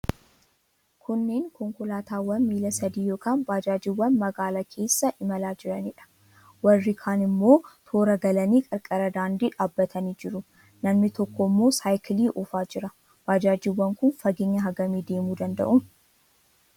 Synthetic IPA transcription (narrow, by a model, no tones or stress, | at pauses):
kʰʊnːeːŋkʰɔŋkʊlaːt̪aːwɐnmiːlɐsɐd̪iːjo̞ːkaːnbaːd͡ʒaːd͡ʒɪwːɐnmɐɡaːlɐkʰe̞ːsːɐʔɪmɐlaːd͡ʒɪɾɐniᶑɐ̥ | wɐrːɪkʰaːnɪmːo̞ːt̪ʰo̞ːɾɐɡɐlɐniːkʼɐɾkʼɐɾɐd̪aːnd̪iːᶑaːbːɐt̪ʰɐniːd͡ʒɪɾʊ | nɐmnɪt̪ɔkːɔmːo̞ːsaːjkɪliːʔɔfaːd͡ʒɪɾɐ | b̥aːd͡ʒaːd͡ʒɪwːɐŋkʊnfɐɡɪɲːɐɦɐɡɐmiːd̪e̞ːmuːd̪ɐnd̪ɐ̰ʔʊm